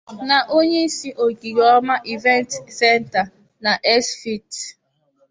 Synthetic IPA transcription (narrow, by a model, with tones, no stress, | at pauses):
na˨ʔo˦ɲe˦si˦ʔo˨ɡi˨jɔ˦ma˦ʔi˨vɛ˦ntsɛ˦nta˨ | na˨ʔɛ˦sfi˦t